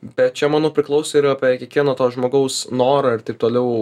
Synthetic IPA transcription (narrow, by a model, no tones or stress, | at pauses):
bʲɛt̪̚t͡ʃʲɛmɑːnoːpʲɾʲɪklˠɐʊsʲoːɪɾɐpʲikʲiɛkʋʲiɛnoːt̪oːsʒmoːɡɐʊsnoːɾɐɪrt̪ɐɪp̚t̪oːlʲɛʊ